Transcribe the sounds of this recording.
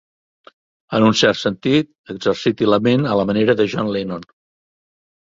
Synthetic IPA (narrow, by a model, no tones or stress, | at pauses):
ənunsɛrt̪sənt̪it̪̚ | əɡzərsit̪iləmenələməneɾəðəʒɔnlenon